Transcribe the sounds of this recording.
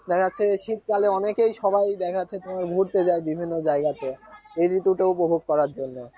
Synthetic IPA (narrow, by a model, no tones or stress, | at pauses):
d̪ɛkʰaːɕʰeʃit̪̚kaleɔnekejʃɔbajd̪ɛkʰaɕʰet̪omaɾbʱuɾt̪ed͡ʑaebibʱinːod͡ʑaeɡat̪eejɾɾit̪uʈeupobʱoɡ̚kɔɾaɾd͡ʑonːe